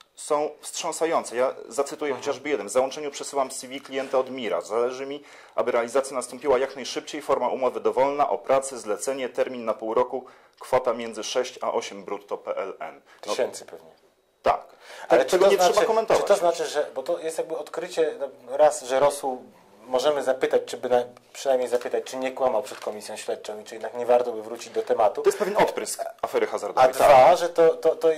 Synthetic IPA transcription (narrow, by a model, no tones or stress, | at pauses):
sɔ̃w̃fstʂɔ̃sajɔnt̪sɛjazat̪sɘt̪ujɛxɔt͡ɕaʐbɘjɛd̪nɛmvzawɔnt͡ʂɛɲupʂɛsɘwamsʲivʲiklʲijɛnt̪aɔd̪mʲiɾa̰zalɛʐɘmʲi | ʔa̰bɘɾɛalʲizat̪sjanast̪ɔ̃mpʲiwajaknajʂɘp̚t͡ɕejfɔɾmaʔumɔvɘd̪ɔvɔlnaʔɔpɾat̪sɘzlɛt̪sɛɲɛt̪ɛɾmʲinːapuwɾɔku | kfɔt̪amʲjɛnzɘʂɛɕt͡ɕa̰ʔɔɕɛmbɾut̪ːɔpɛʔɛlɛ̰n | t̪ɛnt̪spɛvɲɛ | t̪a̰k̪ | ɛlɛɛɔzɲɛʂaʂɛakɔmɛnt̪ɔvat̪ɔznat͡ʂɘʐɛbɔt̪ɔjɛst̪jaɡ̚bɘɔt̪kɾɘt͡ɕɛnɾasʐɛɾɔswu | mɔʐɛmɘzapɘt̪at͡ɕt͡ʂɘbɘnapʂɨnajmɲejzapɘt̪at͡ɕt͡ʂɘɲɛkwamawpʂɛt̪kɔmʲisʲjɔ̃w̃ɕlʲɛt̪̚t͡ʂɔwit͡ʂɨjɛd̪nakɲɛvaɾt̪ɔbɘvɾut͡ɕid͡ʑd̪ɔt̪ɛmat̪uɔjɛspɛvʲjɛnɔt̪pɾɘskafɛɾɘxazaɾd̪ɔajd̪vaʐɛt̪ɔt̪ɔt̪ɔ